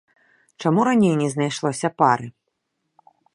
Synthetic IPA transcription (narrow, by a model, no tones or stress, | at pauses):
t͡ʂamuɾanʲejnʲɛznajʂlˠɔsʲɐpaɾɨ